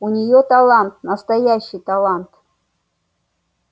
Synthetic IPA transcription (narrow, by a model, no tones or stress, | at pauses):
unʲɪjot̪ɐlˠɑnt̪̚nɐst̪ɐjaɕːɪjt̪alˠant̪